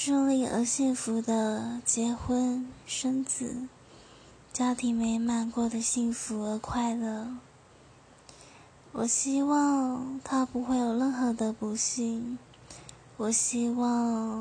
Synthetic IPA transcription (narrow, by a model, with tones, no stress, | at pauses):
ʂɤ˥˧ŋli˥˩ə̰˧˥ɕi˥˩ŋfu˧˥d̪ə˧t͡ɕjɛ˧˥xwə˥nʂə˥nt͡sɹ̩˨˩˦ | t͡ɕja˥t̪ʰi˧˥ŋme˧˥ɪma˧˩nkwɔ˥˩d̪ə˩ɕi˥˩ŋfu˧˥ə˧˥kʰwa˥˩ɪlə˩ | wɔ˨˩ɕi˥wɑ˥˧ŋt̪ʰa˥pu˧˥xwe˥˩ɪjo˨˩ʊlə˥˧nxɤ˧˥d̪ə˧pu˧˥ɕi˥˩n | wɔ˨˩ɕi˥wɑ˥˩ŋ